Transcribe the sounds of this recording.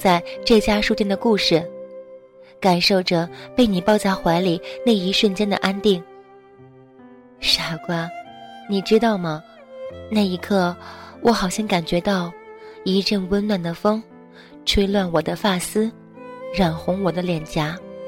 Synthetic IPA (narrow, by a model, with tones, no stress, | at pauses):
t͡sa˥˧ɪʈ͡ʂɤ˥˩t͡ɕja˥ʂu˥˧t͡ɕjɛ˥nd̪ə˨ku˥˧ʂɻ̩˥˩ | ka˨˩nʂo˥˩ʊʈ͡ʂɤ˩pe˥˩ɪni˨˩pɑ˥˧ʊt͡sa˥˩ɪxwa˧˥ɪli˨˩ne˥˩ɪi˧˥ʂə˥˩nt͡ɕjɛ˥nd̪ə̰˨ʔa˥nt̪i˥˩ŋ | ʂa˥˩kwa˥˧˩ni˨˩ʈ͡ʂɻ̩˥t̪ɑ˥˩ʊmɐ˩ | na˥˩ɪi˧˥kʰɤ˥˩wʔɔ˧˥xɑ˨˩ʊɕjɛ˥ŋka˨˩nt͡ɕɥɛ˧˥t̪ɑ˥˩ʊi˧˥ʈ͡ʂə˥˩ŋwə˥nlwa˥˩nd̪ə˩fɤ˥ŋ | ʈ͡ʂʰwe˥ɪlwa˥˩nwɔ˨˩d̪ə˦fa˥˩sɹ̩˥ | ɻa˨˩nxʊ˧˥ŋwɔ˨˩d̪ə˦ljɛ˨˩nt͡ɕja˧˥